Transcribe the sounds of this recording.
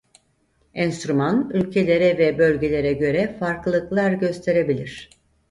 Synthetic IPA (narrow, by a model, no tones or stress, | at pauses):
ɛnst̪ɾumanylʲcʰe̞lʲe̞ɾɛvɛbø̞lʲɟe̞lʲe̞ɾɛɟø̞ɾɛfaɾkˠlˠɯklˠaɾɟø̞st̪ʰe̞ɾe̞bilʲiɾ̝̥